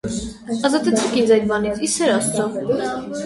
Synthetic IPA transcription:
ɑzɑt̪ɛt͡sʰɛkind͡zɑjd̪̚bɑnit͡sʰisɛɾɑst̪ʰɑ

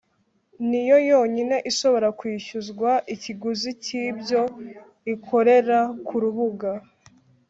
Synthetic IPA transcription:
nijo̞jo̞ːɲine̞ʔiʃo̞βo̞ɾakwiːʃuzɡwaʔiciɡuziciːbɟo̞ | ikʰo̞ɾe̞ɾakʰuɾuβuɡa

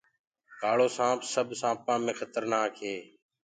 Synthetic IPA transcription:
kaːɭoːsãːpsəbʱsãːpãːmẽːxʰət̪əɾnaːkʰɦeː

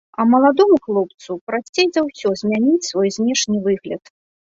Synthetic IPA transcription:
ɐmɐlˠad̪ɔmuxlˠɔp̚t̪supɾaːejzʲawsʲɔzʲmʲanʲit͡sʲsvɔjzʲnʲɛʂnʲivɨɣlʲɐt̪

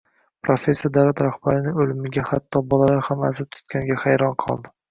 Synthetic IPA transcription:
pɾofʲe̞sːed̪awlat̪ɾaχb̥aɾɪnɪŋolɪmɪɡʲahat̪ʰːɒbɒlalaɾhamːas̬ɪt̪ʰʊ̥t̪kʲʰanɡʲahajɾɒnqʰɒ̰lˠd̪ɪ

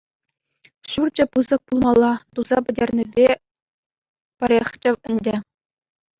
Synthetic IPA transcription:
ɕurd͡ʑɘ̆pɯzɤ̆k̚pulˠmɑlˠːɑt̪uzɑpʲɘ̆dʲerʲnʲɘ̆bʲe | pʲɘ̆ɾʲeχʲt͡ɕɘ̆ʋɘ̆nʲdʲɘ̆

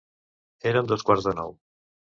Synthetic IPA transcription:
eɾəmd̪oskwaɾzðənɔ̰w

